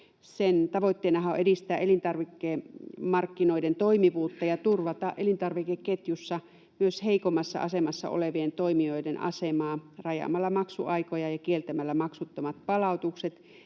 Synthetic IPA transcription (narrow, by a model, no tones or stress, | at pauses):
sent̪ɑʋot̪ːeːnɑɦɑoʔedist̪æːʔelint̪ɑrʋikːemɑrkːinoident̪oimiʋuːt̪ːɑjɑt̪urʋɑt̪ɑʔelint̪ɑrʋikekkːet̪jusːɑ | myøsheikomːˑɑsːɑ̰ɑ̰semɑsːɑ̰o̰leʋient̪oimioidenɑ̰semɑːrɑjɑ̰ːmːɑlːɑmɑksṵʔɑikojɑjɑkielt̪æmælːæmɑksut̪ːomɑt̪̚pɑlɑˑut̪ukset̪